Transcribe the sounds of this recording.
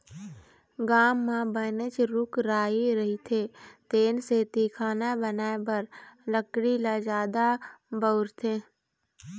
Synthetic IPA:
ɡaːmːãbənət͡ʃɾʊkɾaːiɾəɦit̪ʰeːt̪eːnset̪iːkʰaːnabənaːebəɾləkɽilad͡ʒaːd̪abəʊɾt̪ʰeː

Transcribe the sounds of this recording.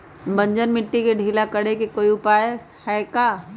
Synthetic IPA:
bɐ̃ɲd͡ʒənmɪʈːikeɖʱiːlakɐɽekekoːiʊpaːje | hɛːkaː

